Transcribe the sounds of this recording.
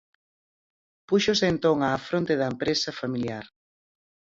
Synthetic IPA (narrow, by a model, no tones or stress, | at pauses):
puʃosent̪oŋaːfɾont̪eðɐempɾesɐfamiljaɾ